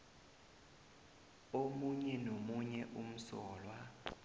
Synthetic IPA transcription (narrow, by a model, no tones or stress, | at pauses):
omuɲɛnomuɲɛʔum̩sɔːlwa